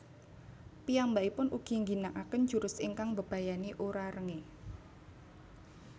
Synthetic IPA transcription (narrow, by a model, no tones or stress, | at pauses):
pijambaʔipʊnʔuɡ̥i̤ŋɡinaʔakən̥d͡ʒ̥uɾʊsiŋkaŋbəb̥a̤janiʔuɾaɾəŋe